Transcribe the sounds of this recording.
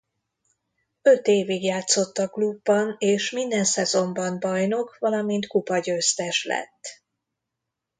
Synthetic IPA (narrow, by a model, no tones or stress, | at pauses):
ø̞t̪eːviɡjaːt̪so̞t̪ːɒklubːɒneːʃmind̪ɛnsɛzo̞mbɒnbɒjno̞kvɒlɒmint̪kupɒɟøːst̪ɛʃlɛ̰t̪ː